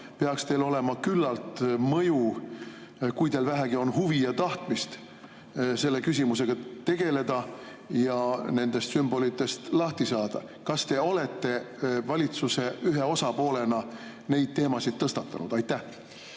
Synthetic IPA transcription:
pe̞ɑkst̪e̞ːlo̞le̞mɑkylːɑlt̪mɤju | kujt̪eːlvæɦæɡ̥io̞nɦuviɑt̪ɑht̪mist̪ | se̞lːe̞kys̬ʲimus̬e̞ɡ̥ɑt̪e̞ɡ̥e̞le̞d̪̥ɑ | jɑne̞nd̪̥e̞st̪symb̥o̞lit̪ːˑe̞st̪lɑht̪isɑːd̪̥ɑ̰ | kɑst̪e̞o̞le̞t̪ˑːe̞ | vɑlʲit̪suse̞yɦe̞o̞sɑpo̞ːle̞nɑ | ne̞jd̪̚t̪e̞ːmɑsid̪̥̚t̪ːɤst̪ɑt̪ːˑɑ̰nṵd̪ɑjt̪ːæh

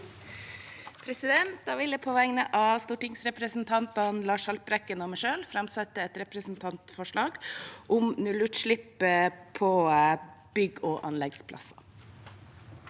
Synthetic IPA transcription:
pʰɾɛsɪd̪ɛnt̪̚d̪ɑːʋɪləpʰɔʋæŋnəʔɑst̪uːʈɪŋsɾɛpɾəsnt̪ʰɑnt̪ɑnlɑːʂhɑlpɾɛkːənɔmɛʂøːlfɾɑmsɛt̪ːəɛt̪ɾɛpɾəsnt̪ʰɑnt̪fɔʂɭɑːɡʔʊmnʉlʉt̪ʂɭɪpːəpʰɔ | b̥ʏɡoːʔɑ̰nlɛɡspʰlɑ̰sɑ

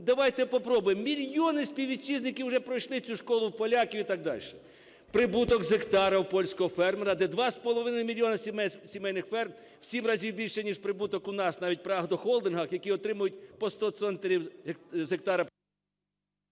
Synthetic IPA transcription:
d̪ɐʋɑjt̪ɛpɔpɾɔbʊjɪmːʲilʲjɔnɪsʲpʲiwʋʲit͡ʃːiznɪkʲɪwʊʒɛpɾɔjʃlˠɪt͡sʲuʃkɔlˠʊwpɔlʲɑkʲiwʲit̪ɑɡ̚d̪ɑ̰lʲʃɛ̥ | pɾɪbut̪ɔkzekt̪ɑɾɐwpɔlʲsʲkɔɦɔfɛrmɾɐd̪ɛd̪ʋɑspɔlˠɔʋɪnɐjmʲilʲjɔnɐsʲmsʲimɛjnɪxfɛrm | w̥sʲimɾɑzʲiwbʲilʲʃɛnʲiʃpɾɪbut̪ɔkʊnɑsnɑʋʲit̚ʲpɾɐɐɦd̪ɔxɔlˠd̪ɪnɦɐxjɐkiɔt̪ɾɪmʊjʊt̚ʲpɔst̪ɔt̪sɛnt̪eɾʲiwzek̚t̪ɑɾɐ

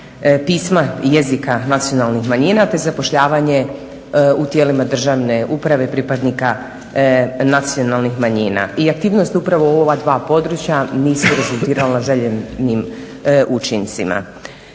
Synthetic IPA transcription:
piːsmajezikanat̪sijo̞nalˠnixmaɲinat̪e̞zapoʃʎaːʋaɲe̞ | ut̪jeːlimad̪r̩ʒaːʋne̞upɾaʋe̞pɾipad̪nika | nat̪sijo̞nalˠnixmaɲiːna̰iak̚t̪iːʋno̞st̪upɾaʋooʋad̪ʋaːpo̞d̪ɾut͡ɕjaniːsuɾe̞zulˠt̪iːɾalanaʒeʎenim | ʔut͡ʃint̪sima̰

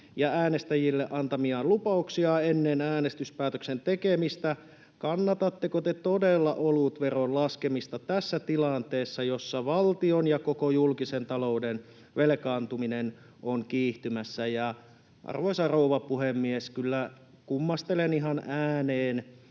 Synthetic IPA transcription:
jɑæːnest̪æjilːeʔɑnt̪ɑmiɑlupɑuksiɑenːenæːnest̪yspæːt̪øksent̪ekemist̪æ | kɑnːɑt̪ɑt̪ːekot̪et̪odelːɑʔolut̪ʋeronlɑskemist̪ɑt̪æsːæt̪ilɑnt̪eːsːɑjosːɑʋɑlt̪ionjɑkokojulkisent̪ɑlouden | ʋelekɑːnt̪uminen | ʔoŋkiːht̪ymæsːæjɑ | ʔɑ̰rʋoisɑrouʋɑpuhemːieskylːæ | kumːɑst̪eleniɦɑnæːneːn

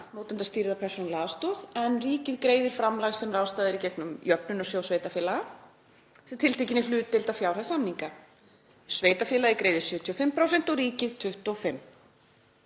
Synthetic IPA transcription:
moːwt̪ant̪ast̪iɾðapʰɛr̥sɔnlaːðast̪ɔðɛnriːcɪðkɾeːjðɪɾ̥fɾamlaɣsɛmraːwst̪aːðɪɾicɛknʏmjœpnʏnɔsjoːwsveːjt̪afjɛːlaɣa | sɛmt̪ʰɪlt̪ecɪnɪlʏːt̪ːɪlt̪afjawɾ̥hasamniŋka | sveːjt̪afjɪːlaðɪkɾeːjðʏɾ̥sjʏːt̪ʰiɔfɪmpʰɾaːwsɛn̥t̪ɔɾiːcɪðt̪ʰʏht̪ɔfɪmː

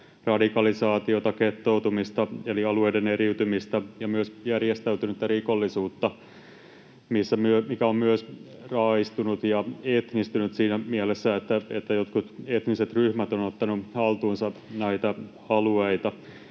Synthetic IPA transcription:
rɑdikɑlisɑːt̪iot̪ɑket̪ːowt̪umist̪ɑeliɑluejdeneɾiwt̪ymist̪æjɑmyøsjærjest̪æyt̪ynyt̪ːærikolːisuːt̪ːɑ | misːæmyømikæommyøs | rɑːist̪unut̪jɑet̪nist̪ynyt̪siːnæmielesːæet̪ːæet̪ːæjot̪kut̪et̪niset̪ryhmæt̪onot̪ːɑnuhɑlt̪uːnsɑnæit̪æ | ɑlueit̪ɑ

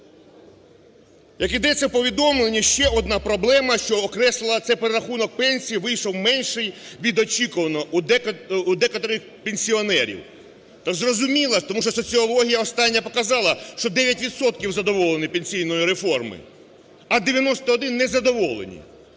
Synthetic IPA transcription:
jɐkid̪ɛt͡sʲːɐwpɔʋʲid̪ɔmlˠenʲːiʃt͡ʃɛɔd̪nɑpɾɔblˠɛmɐʃt͡ʃɔːkɾɛslˠɪlˠɐt̪sɛpeɾeɾɐxunɔk̚pɛnʲsʲijiʋɪjʃɔwmɛnʲʃɪjʋʲid̪ɔt͡ʃʲikʊʋɐnɔuud̪ɛkɐt̪ɔɾɪx | penʲsʲiɔnɛɾʲḭw | t̪azrɔzʊmʲilˠɐt̪ɔmuʃt͡ʃɔsɔt͡sʲiɔlˠɔɦʲijɐɔst̪ɑnʲːɐpɔkɐzɑlˠɐʃt͡ʃɔd̪ɛʋʲjɐtʲʋʲidt̪sɔt̪̚kʲiwzɐd̪ɔʋɔlˠenɪpenʲsʲijnɔjiɾefɔrmɪ̰ | ɐd̪eʋʲjɐnɔst̪ɐːd̪ɪnːɛzɐd̪ɔʋɔlˠḛnʲḭ

